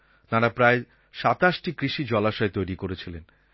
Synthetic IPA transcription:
t̪aɾapɾae | ʃat̪aʃʈikɾiʃid͡ʑɔlaʃaet̪ojɾikoɾet͡ɕʰilen

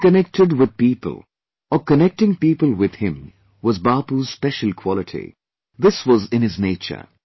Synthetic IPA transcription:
kənɛk̚ʈɪɖwɪd̪̚piːpə̰lˠ | ɔkənɛk̚ʈɪ̃ŋpiːpəlwɪd̪hɪ̃m | wɔzbaːpuz̥spɛʃəl̩ˠkʰw̥ɔlɪʈʰḭ | d̪ɪswɔzɪ̃nɪzneːt͡ʃə̰ɾ

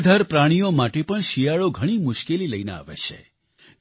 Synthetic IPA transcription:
d̪ʱaɾpɾaɽ̃ijomaʈepəɳʃijaɭoɡʱəɽ̃imʊʃkeliləjnḛa̰ʋḛt͡ʃʰḛ

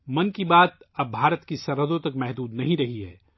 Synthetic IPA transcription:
mɐnkibaːt̪̚ɐb̚ːʱaːɾət̪kisɐɾɦəd̪õt̪ɐkmɛɦd̪uːd̪nɐɦĩɾɐɦiɦɛ̰ː

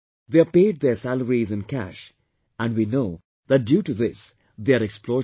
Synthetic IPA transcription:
d̪epeːɖ̚d̪eɾsæləɾizɪ̃nkæ̰ʃ | æ̃ɳɖʋiːnoː | d̪æʈ̚ɖjuːʈud̪ɪs | d̪eəɾeksploː

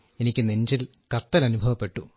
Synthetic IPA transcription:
e̞nikʲːɨneɲd͡ʑil | kɐt̪ːɐlɐnubʱɐʋɐpːe̞ʈːu

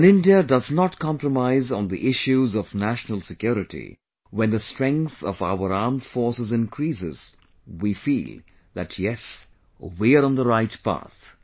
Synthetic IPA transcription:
nɪ̃ndiədʌznɔtkʰɑ̃mpɾəmaɪzn̩d̪iʔɪʃuzɔvnæʃnəlˠsɨkjuɾɪʈḭ | wɛ̃nðəstɹ̥ɛ̃ŋkθɔva̰ʊəɾaɹmdfɔɹsɨzɪ̃nkʰɾiːsɪ̰z̥ | wifḭːl | ðæ̰tʰjɛs | wiəɾə̃nðəɾaɪtpa̰θ

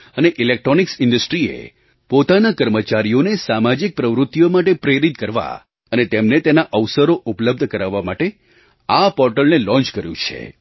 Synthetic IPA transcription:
əneʔilek̚ʈɾoniksɪɳɖəsʈɾiḛ | pot̪anakəɾmət͡ʃaɾijonesamad͡ʒik̚pɾəʋɾʊt̪ːijomaʈepɾeɾit̪kəɾʋa̰ | ənet̪emnet̪enaʔəʋsəɾoʔupləb̚d̪ʱkəɾaʋːamaʈe | apɔɾʈəlnelɔ̃nt͡ʃkəɾjṵ̃t͡ʃʰḛ

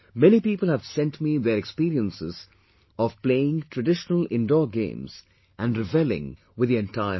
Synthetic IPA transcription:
mɛnipiːpəl̩ˠhæv̥sɛ̃nʈmiðəɾɛkspiːɾiə̃nsɪz | ɔv̥pleɪɪ̃ŋtʰɾəɖɪʃnəlɪ̃ndɔːɡḛ̃ːmz̥ | ʔæ̃nɖɾɪbɛlɪ̰̃ŋ | wɨd̪ðiɛ̃ntaɪə

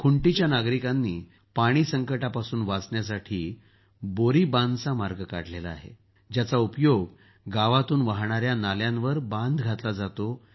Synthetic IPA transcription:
kʰuɳʈit͡ɕjanaɡɾikanːiː | paɽ̃iːsəŋkəʈapasuːnʋat͡sɳjasaʈʰiː | boɾiːbãnd̪t͡samaɾɡəka̰ɽ̤lelaa̰ːɦḛ | d͡ʑjat͡saupjoɡ | ɡaʋat̪uːnʋaɦɳ̃aɾjanaljãnʋəɾbãnd̪ɡʱat̪lad͡zat̪o

